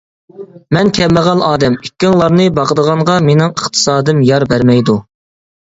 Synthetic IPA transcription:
mɛnkʲʰɛmːəʁɑnɑːd̪ɛmykʲːiŋlˠɑɾnɨbɑqəd̪əʁɑɴʁɑmenɪŋəχt̪ʰɨ̥sɑːd̪ɨmjɑɾbæɾmɛjd̪u

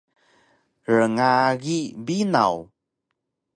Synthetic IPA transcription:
ɾəŋaɣibina̰w

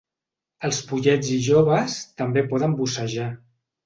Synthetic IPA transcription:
əlˠspuʎɛd͡ziʒoβəst̪əmbepɔðəmbusəʒa

